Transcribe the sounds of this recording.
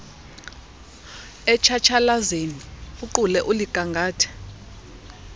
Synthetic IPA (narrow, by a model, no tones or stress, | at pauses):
ɛt͡ʃʰat͡ʃʰalazeniuǃulɛʔuliɡ̥ʼʱaŋɡʱaːtʰɛ̥